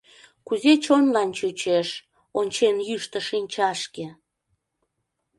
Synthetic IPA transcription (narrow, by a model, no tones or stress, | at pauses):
kuzet͡ɕonlɑnt͡ɕut͡ɕeʃ | onʲt͡ɕenjyʃt̪əʃinʲt͡ɕɑʃke